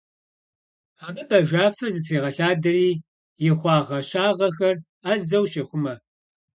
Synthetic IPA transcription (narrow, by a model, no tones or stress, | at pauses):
aːbɐbɐʒʷaːfɐzɨtʰriːʁɐɬaːdɐriː | jɪχʷɑːʁɐɕaːʁɐxɐr | azɐwʃeχʷʊmɐ